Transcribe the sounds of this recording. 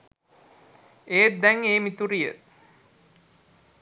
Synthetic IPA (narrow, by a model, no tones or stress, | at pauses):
eːt̪̚d̪ɛŋeːmit̪uɾijə̰